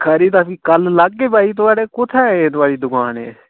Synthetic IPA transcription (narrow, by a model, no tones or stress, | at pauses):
kʰəɾiːt̪̬ãːpiːkəllaɡːeːbaːiːt̪̬ʊaːɽeːkʊt̪ʰɛ̃ːeːt̪̬ʊaːɽiːd̪ʊkaːnḛː